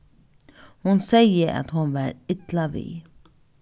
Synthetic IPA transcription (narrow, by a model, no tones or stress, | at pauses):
hʊnsɛjəʔa̰t̪hʊnʋæɾɪt̪laʋḭː